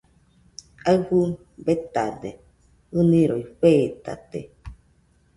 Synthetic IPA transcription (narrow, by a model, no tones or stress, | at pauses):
aɰɸu | bet̪ade | ɨnĩɾoiɸeːt̪a̰t̪ḛ